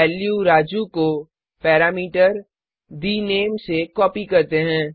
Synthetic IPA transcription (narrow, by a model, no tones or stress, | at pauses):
ɛːljuɾaːd͡ʒuko | pɛːɾaːmiːʈəɾ | d̪iːneːmsekɔːpikɐɾt̪eɦɛ̃ː